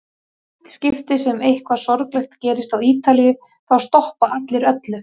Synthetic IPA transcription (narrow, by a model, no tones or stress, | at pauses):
scɪft̪ɪsɛmejhkvasɔɾklɛxt̪cɛːɾɪst̪awiːt̪alijʏ | θawst̪ɔhpaʔat̪lɪɾœt̪lʏ